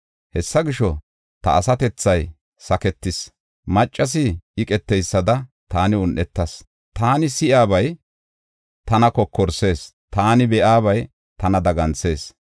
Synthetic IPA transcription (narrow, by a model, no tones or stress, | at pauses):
hɛsːɐɡɪʃɔ | t̪ɐ̰ːsɐt̪ɛt͡sːɐj | sɐkɛt̪ːɪs | mɐt͡ʃʼːɐs̬ɪʔɪkʼɛt̪ːɛjsːɐd̪ɐt̪aːnɪʊnʔɛt̪ːɐs | t̪aːnɪsɪʔaːbɐj | t̪ɐnɐkɔkʰːɔɾse̞ːs | t̪aːnɪbɛʔaːβɐj | t̪ɐnɐd̪ɐɡɐnse̞ːs